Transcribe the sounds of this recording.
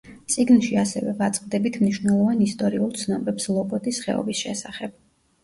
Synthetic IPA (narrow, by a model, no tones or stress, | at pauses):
t̪sʼiɡnʃiasɛ̰vɛ̰vat̪sʼqʼd̪ɛbit̪ʰmniʃvnɛlˠɔvanist̪ʼɔɾiulˠt̪sʰnɔbɛpslˠɔbʼɔt̪ʼisχɛ̰ɔ̰bisʃɛ̰saχɛb̥̚